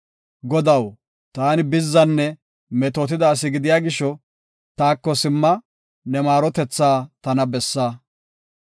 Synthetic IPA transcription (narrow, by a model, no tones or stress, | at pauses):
ɡɔd̪ɐw | t̪aːnɪbɪzːɐnːɛ | mɛt̪ɔt̪̬ɪd̪aːs̬ɪɡɪd̪ɪjaːɡɪʃːɔ | t̪aːkːɔsɪmːɐ | nɛmaːɾɔt̪ɛt͡sːaːt̪ɐnɐbɛsːa